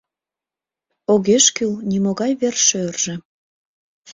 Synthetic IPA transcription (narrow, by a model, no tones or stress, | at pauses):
oɣeʃkylnimoɣɑjβerʃørʒ̥ĕ